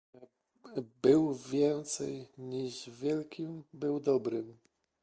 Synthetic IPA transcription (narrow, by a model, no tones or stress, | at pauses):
bɘwvʲjɛnt̪sɛjɲiʐvʲjɛlkʲimbɘwd̪ɔbɾɘm